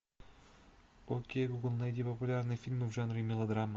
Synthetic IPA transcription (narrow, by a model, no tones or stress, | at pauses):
pɔlkʲijɛɡuɡlˠnajdʲɛpɔpulʲaɾnɛfʲilʲmɨvʒanɾimʲilˠɐd̪ɾama